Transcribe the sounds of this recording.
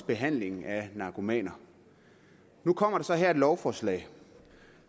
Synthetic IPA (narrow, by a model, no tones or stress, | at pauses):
b̥e̝ɦæn̰le̝ŋ̩ænɑ̈kʰo̝mɛ̰ːnɐ | nukʰɒ̽m̰ɐɾ̥esɒ̽ɦeɐ̰e̝d̥lɒʊfɒːslɛ̰ːɪ